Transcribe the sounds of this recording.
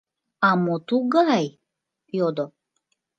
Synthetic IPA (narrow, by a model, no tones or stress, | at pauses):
amot̪uɡaj | jod̪o